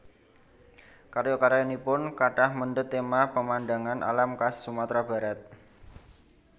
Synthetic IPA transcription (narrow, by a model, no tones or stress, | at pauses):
kaɾjokaɾajonipʊnkaʈahmənɖət̪ːemapəmandaŋanʔa̰lamkasːumat̪ɾab̥a̤ɾat̪̚